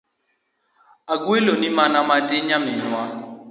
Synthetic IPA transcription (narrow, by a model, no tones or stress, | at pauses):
aɡwelonimanamadɪɲamɪnʊa